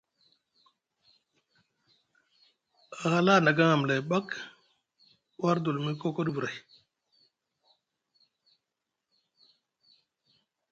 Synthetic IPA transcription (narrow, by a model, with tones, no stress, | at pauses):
a˨ɣa˦la˦˨na˨ɡa˦ŋa˨m˨la˨ba˦k | wa˦ɾdu˨lmi˦ko˦ko˦du˦˨bu˨ɾa˨j